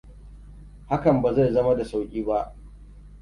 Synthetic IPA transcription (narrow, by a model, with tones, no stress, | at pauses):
ha˦kɐ˨mba˨za˦˨jzɐ˦ma˦da˨sa˦wkʲʼiː˦ba˦ʔ